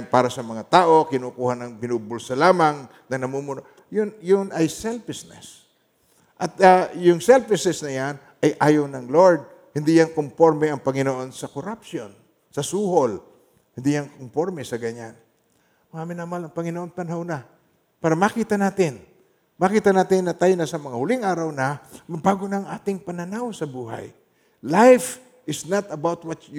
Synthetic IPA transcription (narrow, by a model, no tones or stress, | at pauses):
paːɾɐsɐmɐŋat̪aːʔo̞kɪnukuːhanɐŋpɪnuːbʊlsɐlaːmaŋ | nɐŋnɐmumʊno | jʊnjʊnʔɐjsɛlfɪsnɛ̰s | ʔɐt̪ajʊŋsɛlfɪsnɛsnɐjan | ʔɐjʔaːjownɐŋloɹd̪̚ | hɪnd̪ijaŋkompo̞ɾmɛɐŋpɐŋɪnoʔo̞nsɐkoɾap̚ʃon | sɐsuːhol | hɪnd̪ijaŋkompo̞ɾmɛsɐɡɐɲan | mɐŋamɪnamalɐŋpɐŋɪnoʔo̞npɐnɦawna | paːɾɐmakiːt̪ɐnaːt̪ɪn | makiːt̪ɐnaːt̪ɪnːɐt̪ajnɐsɐmɐŋahʊlɪŋʔaːɾɐwnɐmɐbaːɡonɐɐŋʔaːt̪ɪŋpɐnɐnawsɐbuːɦa̰j | lajf | ɪsnat̪ɐbawt̪̚wɐt̪